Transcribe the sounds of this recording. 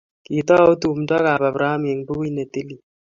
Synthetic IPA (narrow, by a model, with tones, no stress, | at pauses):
ki˨t̪ɔ˦o˦t̪u˨mdɔ˦ka˨ba˨bɾa˨˦a˦me˨ŋbu˦ki˦ne˨t̪i˦li˨